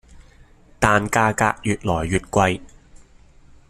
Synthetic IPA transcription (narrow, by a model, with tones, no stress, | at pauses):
t̪aː˨˧nkaː˧ka̰ː˧k̚jyː˨t̚lɔː˨˩jːyː˨t̚kʷɐ˧j